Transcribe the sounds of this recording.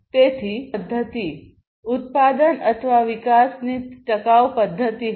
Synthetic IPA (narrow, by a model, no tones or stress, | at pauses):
t̪et̪ʰiːəd̪ʱːət̪i | ut̪̚pad̪ənət̪ʰəʋaʋikasnit̪ʈəkaʋpəd̪ʱːət̪iː